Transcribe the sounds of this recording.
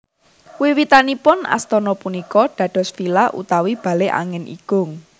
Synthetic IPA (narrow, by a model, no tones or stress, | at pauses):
wiwit̪anipʊna̰st̪ɔnɔpunikɔɖ̥ä̤ɖ̥ɔ̤sfilaʔṵt̪awib̥ä̤leʔa̰ŋɪnʔḭɡ̥ʊ̤ŋ